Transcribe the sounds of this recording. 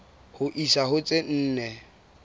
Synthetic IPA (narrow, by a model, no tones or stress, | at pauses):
hʊʔisaɦʊt͡sʼɪn̩ːnɛ